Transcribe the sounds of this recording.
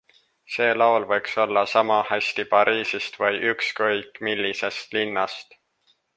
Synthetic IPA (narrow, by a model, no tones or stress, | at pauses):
se̞ːlɑolvɤjkso̞lːɑsɑmɑhæsʲt̪ipɑɾiːsist̪vɤjʔykskɤjkːˑmilʲːise̞st̪linːɑst̪